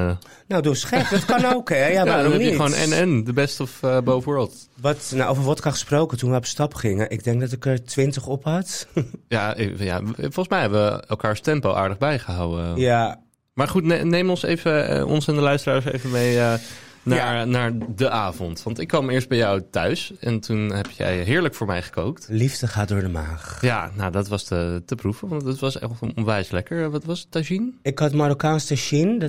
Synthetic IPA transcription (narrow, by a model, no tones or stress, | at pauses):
nowdosχɛkdɑtkɑnowkɛjaʋaːɾɔmɛnijəʋonɛ̰nɛndəbɛstəɔfbowvʊːɹbɪlˠt | ʋɑtnaʔowvəɹʋɑtkɑχə̥sprowkətunʋəɔpstɑpχɪŋəʔɪɡ̚dɛŋk̚dɑtɪkəɹtʋɪntəχɔpɦɑtja̰ja̰fɔlˠχəsmɛjɦɛbəʋəɛ̰lˠkaːɹstɛmpo̰wʔa̰ːɹdəχbɛjχəɦawəja | maːɹχutnenejmɔnsḛjvə̰ɔ̰nsɛndəlœɥstəraːɹsḛjvəmejənaɹnaːɹdəʔaːvɔntʋɑntɪkːʋɑmɪːɹsd̚bɛjɔwtœɥsɛntunɦɛpjɛ̰jɦɪːɹləkfʊːɹmɛjχə̥kowk̚tlifdəχaːt̚dʊːɹdəmaːχjanadɑtʋɑstətəprufəʋɑntətʋɑsɔnʋɛjslɛkəɹʋɑtʋɑstaʃinɪkhɔtmaɾokaːnstaʃin